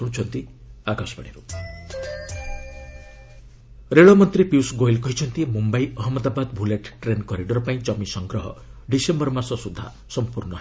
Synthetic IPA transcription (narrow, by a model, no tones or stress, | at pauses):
uɽ̃t͡ʃʰɔnt̪i | aɡʱasbɔɽ̃iɾu | ɾeɭɔmɔnt̪ɾipiusɡojlkɔɦit͡ʃʰɔnt̪imumbaiɔɦmɔd̪abad̪bʱuleʈʈɾenkɔɾiɖɔɾɔpaĩt͡ʃɔmisɔŋɡɾɔɦɔ̰ɖisembɔɾmasɔsud̪ʱːa̰ | sɔmpuɾɳɔ